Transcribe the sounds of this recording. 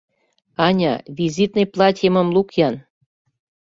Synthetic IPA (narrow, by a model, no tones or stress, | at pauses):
ɑnʲɑ̰βʲizit̪nejplˠɑt̪ʲjəməmlukjɑn